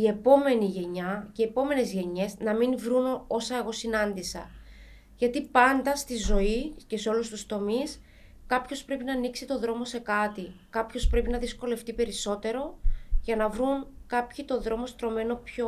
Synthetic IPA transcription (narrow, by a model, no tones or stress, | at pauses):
ie̞po̞me̞niʝe̞ɲɐceie̞po̞me̞ne̞zʝe̞ɲe̞znɐminvɾuno̞sɐe̞ɣo̞sinɐnd̪isɐ̰ | ʝɐt̪ipɐnd̪ɐst̪izo̞ice̞se̞o̞lust̪ust̪o̞mis | kɐpço̞spɾe̞pinɐːniksit̪o̞ðɾo̞mo̞se̞kɐt̪ikɐpçospɾe̞pinɐðisko̞le̞ft̪ipe̞ɾiso̞t̪e̞ɾo̞ʝɐnɐvɾuŋkɐpçit̪o̞ðɾo̞mo̞st̪ɾo̞me̞no̞pço